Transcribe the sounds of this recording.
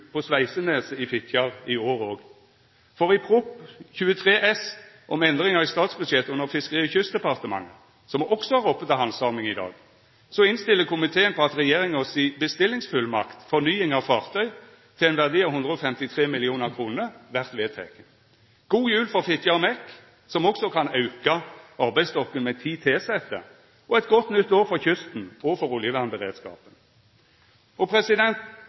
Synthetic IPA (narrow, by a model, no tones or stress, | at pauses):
pʰɔspæɪsəneːsəɪfɪt̪ʰjɑʁɪoːʁoːɡ | fɔʁɪpʰʁʊpçʉːət̪ʰʁeːʔɛs | ʔɔmɛnd̪ʁɪŋɑʁɪst̪ɑːt̪sbʉd̪ʃɛt̪əʉnːəʁfɪskəʁiːəçʉsd̪ɛpɑʁt̪əmɑ̰ŋːə | sɔmɔksɔhɑʁɔpːət̪ɑhɑnsɑːʁmɪŋɪd̪ɑ̰ːɡ | sɔɪnst̪ɪlːəkʰʊmɪt̪ʰeːənpʰɔɑt̪ʁɛjeːʁɪŋɔsiːbəst̪ɪlːɪŋsfʉlmɑ̰kt̪fɔʁnyːɪŋɑʋfɑːʁt̪ʰœʏ | t̪ʰɪlɛnʋæʁd̪iːɑʋhʊnd̪ʁəɔfɛmt̪ɪt̪ʰʁeːmɪlɪuːnəʁkʰʁuːnəʋæʁt̪ʋeːt̪ʰɛ̰kən | ɡ̥uːjʉːlfɔʁfɪt̪ʰjɑʁmɛk | sɔmɔksɔkʰɑnɑʉkɑɑʁbæɪst̪ɔkːənmɛt̪ʰiːt̪ʰeːsɛt̪ːə̰ | ɔɛt̪̚ɡɔt̪nʏt̪ːoːʁfɔʁçʏst̪n̩oːfɔʁʊljəʋæʁnbəʁḛːd̪skɑ̰ːpən | ɔpʰʁɛsɪd̪ɛnt̪